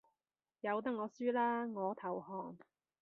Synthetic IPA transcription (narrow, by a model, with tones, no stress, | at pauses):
jɐ˨˧wt̪̬ɐ˥k̚ŋɔː˨˧syː˥laː˥ŋɔː˨˧˥t̪ʰɐ˨˩whɔː˨˩ŋ